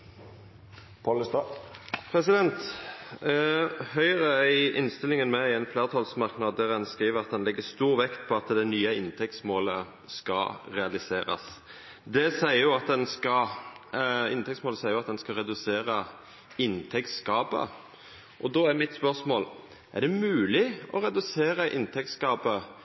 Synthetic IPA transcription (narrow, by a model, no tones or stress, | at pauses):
pʰolst̪ɑpʰɾɛsɪd̪ɛnt̪ | hœʏʁəæɪʔɪnst̪ɪlɪŋənmɛɪɛnfleːʁt̪ʰɑlsmɑʁknɑːd̪̚d̪æʁɛnskʁiːʋəʁɑt̪̚d̪ɛnlɪɡːəst̪uːʁʋɛkt̪pʰɔɑt̪d̪ɛɪnyːəɪnt̪ʰɛk̚t̪smoːlə | skɑʁɛɑlɪseːɾɑ̰s | d̪ɛsæɪəɾjʊɑt̪̚d̪ɛnskɑ | ɪ̰nt̪ʰɛkt̪smoːləsæɪəjʊɑt̪d̪ɛnskɑʁɛd̪ʉseːɾə | ɪnt̪ʰɛkt̪skɑːpə̰ | ʔɔd̪oːæʁmɪt̪spœʁsmoːl | ʔæ̰ʁd̪ɛmʉːlɪɔɾɛd̪ʉseːɾəʔɪnt̪ʰɛk̚t̪skɑːpə